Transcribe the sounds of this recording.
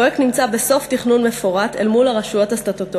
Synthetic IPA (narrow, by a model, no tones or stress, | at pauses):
eknimt͡sabe̞so̞ftiχnunme̞foʁatḛlmulaʁaʃujo̞tastat̪ot